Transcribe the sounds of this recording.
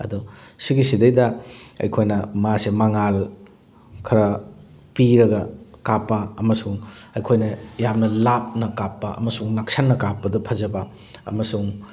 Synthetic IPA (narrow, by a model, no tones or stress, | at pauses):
ɐ̰dusiɡisidɐjdɐɐ̰jkʰojnɐmasemaŋal | kʰɐɾɐ | piɾɐɡɐkapːɐɐmɐsuŋɐjkʰojnɐjamnɐlap̚nɐkapːɐʔɐ̰mɐsuŋnak̚sanːɐkapːɐdɐpʰɐzɐbɐ | ɐ̰mɐsuŋ